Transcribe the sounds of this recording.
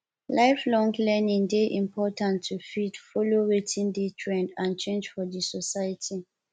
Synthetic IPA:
laɪflɔ̃ŋlɛnĩŋdeʔĩmpʰɔtãntʰːufidfɔloɹetʰĩndetʰɹɛ̃ndãnt͡ʃẽnd͡ʒfɔdisɔsajətʰi

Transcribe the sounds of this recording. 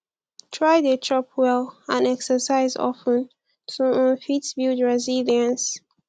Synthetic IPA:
tʰɹaɪðətʰɹɔpʰwɛlãnɛksəsaɪzɔ̰fə̃n | tʰuɔ̃nfitbildɹɛziliə̃ns

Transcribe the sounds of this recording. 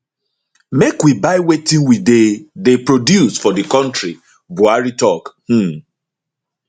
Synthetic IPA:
mekwibaɪwetĩnwidedepɹodjusfɔdəkɔ̃ntɹi | buaɹitɔkh̩

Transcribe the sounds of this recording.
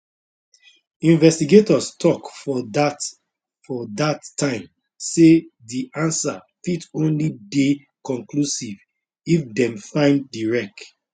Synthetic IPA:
ĩnvɛstiɡetɔstʰɔkfɔ | fɔdatːãɪ̃m | sediʔãnsa̰fitõnlide | kɔ̃ŋklusiv | ifdɛ̃mfãɪ̃ndːiɹɛk̚

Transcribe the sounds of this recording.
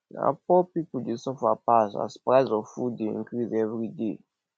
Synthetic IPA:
a̰pɔpipdesɔfapasa̰spɾaɪzɔfudeḭ̃ŋkɾizɛvɾide

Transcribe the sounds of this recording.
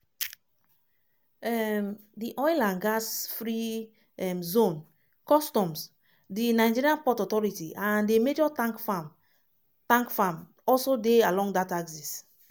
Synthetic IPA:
ɛmdiʔɔjlãnɡasfɹi | ɛmzõn | kɔstɔ̃ms | dinaɪd͡ʒiɹiãnpɔtɔtɔɹitiʔãndemed͡ʒɔtãkfam | tãŋkfam | ɔlsodealɔ̃ŋɡdataɡsis

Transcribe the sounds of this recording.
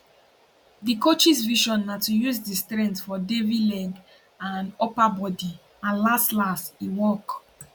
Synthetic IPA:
dikot͡ʃisviʃɔ̃nːatujusdistɹɛ̃ntfɔdevilɛ̃ɡ | ãnɔpabɔdi | ãnlastlasiwɔk

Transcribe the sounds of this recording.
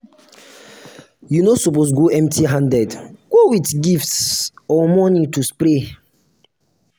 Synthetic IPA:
junosɔpos̬ɡoʔɛ̃mtiɦãndɛdɡ̥owitɡiftsɔmɔnituspɾe

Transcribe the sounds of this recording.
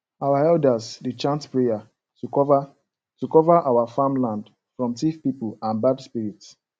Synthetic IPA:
awaɛldasdet͡ʃãntpɹeja | v | tukɔvaʔawafãmlãnd | fɹɔ̃mtifpipulãnbadspiɹits

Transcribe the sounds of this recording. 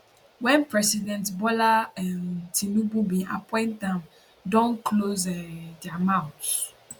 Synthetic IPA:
wɛ̃npɹɛsidɛ̃ntbɔlaɛntʰĩnũbubĩʔapɔ̃ɪ̃ntdãm | dɔ̃nklozɛdamãʊt

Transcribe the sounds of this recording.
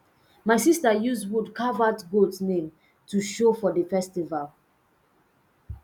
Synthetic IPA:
maɪsistajuzwudkavatɡodsnẽm | tuʃofɔdəfɛstival

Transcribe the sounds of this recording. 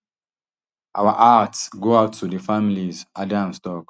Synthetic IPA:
ʔawaʔatsɡoaʊtʰːudəfamilizʔadãmstɔk

